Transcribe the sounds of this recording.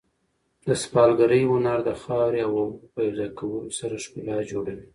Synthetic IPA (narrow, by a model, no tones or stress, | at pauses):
d̪əspɑlɡaɾəjwʊnaɾd̪əxɑɾeawpajɾd̪ɑkawəlosaɾaʃpejɑd͡ʒoɽawi